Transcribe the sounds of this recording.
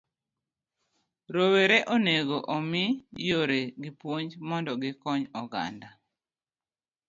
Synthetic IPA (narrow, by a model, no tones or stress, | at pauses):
ɾoweɾeʔoneɡoʔomɪjoɾeɡɪpwoɲd͡ʒmɔndɔɡɪkɔɲɔɡa̰nda